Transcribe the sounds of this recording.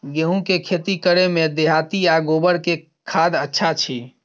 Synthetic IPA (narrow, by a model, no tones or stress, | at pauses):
ɡeɦũkekʰet̪ikəɾemẽd̪eɦat̪iaɡobəɾke | kʰaːd̪ətːʃʰat͡ʃʰi